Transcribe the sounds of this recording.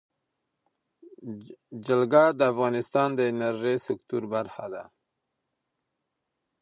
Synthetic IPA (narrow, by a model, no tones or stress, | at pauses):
d͡ʒalɡad̪əafɣɑnɪst̪ɑnd̪əɪnaɾʒesɪkt̪uɾbaɾxad̪a